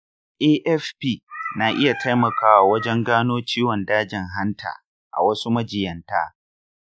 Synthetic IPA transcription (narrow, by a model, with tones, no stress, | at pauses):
ʔeː˦ʔɛ˦fpiː˦˨na˨ʔɪ˦ja˨tʰa˦jmɐ˨kʰaː˦wa˨wɐ˦d͡ʒɛ˦ŋɡaː˦noː˦t͡ʃiː˦wɔ˨ndaː˦d͡ʒɪ˨ŋɦa˦ntʰa̰ː˨ | ʔa̰˨wɐ˦su˦mɐ˦d͡ʒɪ˨jɐ˨nta̰ː˦